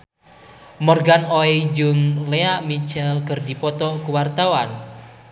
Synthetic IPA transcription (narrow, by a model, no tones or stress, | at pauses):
mɔrɡanɔid͡ʒuŋleaʔmit͡ʃɛlkərdipɔt̪ɔkuwart̪awan